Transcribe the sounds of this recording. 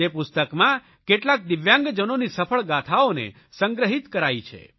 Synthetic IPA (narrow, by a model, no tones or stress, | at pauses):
epʊst̪əkmã | keʈlak̚d̪ɪʋjãŋɡd͡ʒənonisəpʰəɭɡat̪ʰaonḛ | səŋɡɾəɦit̪kəɾajt͡ʃʰḛ